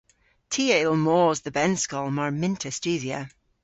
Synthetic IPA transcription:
tʰiːəɪlˠmoːzðəbɛnskɔlˠmaɹmɪ̃ntʰəst͡ʃʉːðiə̰

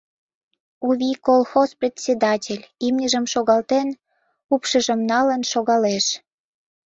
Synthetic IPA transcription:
uβʲikolˠxosprʲet̪ʲsʲed̪ɑtʲelʲimnʲəʒəmʃoɣɑlt̪en | upʃəʒəmnɑlənʃoɣɑleʃ

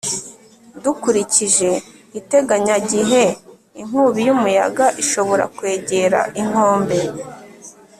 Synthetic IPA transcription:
dukuɾiciʒe̞ | ite̞ɡaɲaɟiɦe̞ | iŋ̥uːβijumuja̰ɡaʔiʃo̞βo̞ɾa̰kwe̞ːɟe̞ɾa̰ʔiŋ̥o̞ːmbe̞

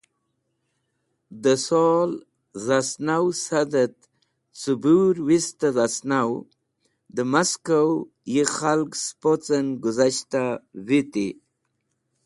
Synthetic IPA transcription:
d̪əsol | zasnawsad̪ət̪ | t͡subuɾwist̪azasnaw | d̪əmaskaw | jixalkspot͡sənɡʊzaʃt̪awit̪i

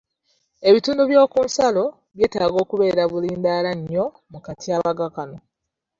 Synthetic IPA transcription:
e̞βituːnduβjo̞ːkuːnsalo̞ | βje̞ːtaːɡo̞ːkuβe̞ːɾaβuliːndaːlaɲːo̞ | mukatiaːβaɡakano̞

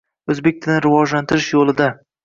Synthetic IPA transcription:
ɵzbek̚ʲt̪ʰɪnɪɾɪvɒd͡ʒlant̪ʰɪɾɪʃjolˠɪd̪a

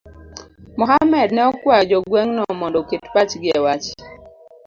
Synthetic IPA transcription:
mɔɦamɛdnɛɔkwad͡ʒɔɡwɛŋnɔmɔndɔketpat͡ʃɡɪɛwat͡ʃ

